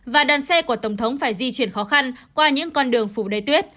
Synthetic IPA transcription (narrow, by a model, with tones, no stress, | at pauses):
vaː˨˩ɗwaː˨˩nsɛ˧ku˧˩ət̪ə˧˩wŋ͡mt̪ʰə˨˦wŋ͡mfaː˧˩jzi˧t͡ɕi˧˩ənxɔ˨˦xa˧nkwaː˧ɲɨ̰˧˥ŋkɔ˧nɗɨ˨˩əŋfu˧˩ɗə˨˦jt̪wi˦˥ət̚